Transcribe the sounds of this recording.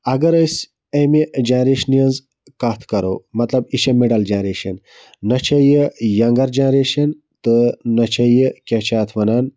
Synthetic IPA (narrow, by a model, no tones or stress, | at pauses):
ɐɡɐɾɐs | ɐmid͡ʒɐnɾeːʃnijɐnz | kɐt̪ʰkɐɾo̰ːmɐt̪lɐbiʃɐmeɖɐld͡ʒenɾeːʃɐnː | ɐt͡ʃʰɐjijɐŋɡɐɾd͡ʒenɾeːʃɐn | t̪ɨnɐt͡ʃʰɐjikʲɐt͡ʃʰaːt̪ʰʋɐnaːn